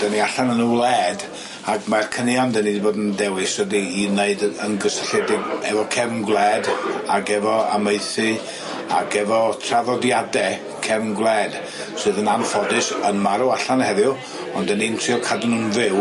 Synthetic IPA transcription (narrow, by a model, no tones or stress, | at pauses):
d̥ɛniaɬanənuːlˠɛːd | aɡmarkʰənjandɛnidiboːdəndɛwɪsədiːneɨdənɡəsəɬɛdɪɡɛ̰vɔkʰɛvnɡwlˠɛdaɡɛvɔa̰meɨθɨ | a̰ɡɛvɔtʰraðɔdjadɛ | kʰɛvnɡwlˠɛd̥ | sɨːðənanfɔdɨsənmaɾuaɬanhɛðjʊ | ɔndɛnintʰriɔkʰadənuːnvɪw